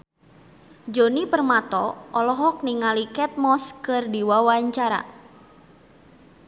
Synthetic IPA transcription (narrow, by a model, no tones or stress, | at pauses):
d͡ʒonipərmat̪ɔɔlɔɦɔk̚niŋalikɛt̪̚mɔskɨrdiwawaɲt͡ʃaɾa̰